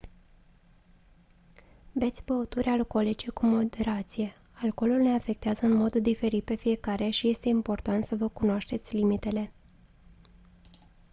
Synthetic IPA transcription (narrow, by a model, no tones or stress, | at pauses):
be̞t̪sʲbəot̪uɾʲalko̞lit͡ʃe̞kumo̞d̪e̞ɾat̪sije̞ | alko̞lulne̞afe̞k̚t̪eazəɨnmo̞d̪d̪ife̞ɾit̪̚pe̞fije̞kaɾe̞ʃije̞st̪e̞impo̞rt̪ant̪səvəkunoaʃt̪e̞t̪sʲlimit̪e̞le̞